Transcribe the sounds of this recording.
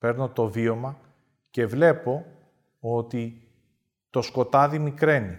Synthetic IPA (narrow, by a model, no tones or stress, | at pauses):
pe̞ɾno̞t̪o̞vio̞mɐ | ce̞vle̞po̞ | ot̪i | t̪o̞sko̞t̪ɐðimikɾe̞ni